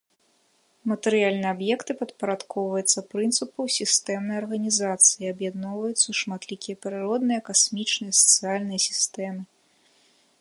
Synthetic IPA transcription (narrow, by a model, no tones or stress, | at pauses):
mɐt̪ɛɾɨjalʲnɨjɛabjɛkt̪ɨpɐt̪pɐɾat̪kʰɔwvɐjut̪sːɐpɾɨnt̪sɨpɐwsʲist̪ɛmnɐjɐrɣɐnʲizat̪sɨjiɐbjad̪nɔwvɐjut̪sːɐuʂmat̪lʲikʲijɐpɾɨɾɔd̪nɨjɐkasmʲit͡ʂnɨjɐsɐ̥t̪sɨjalʲnɨjɐsʲi̥st̪ɛmɨ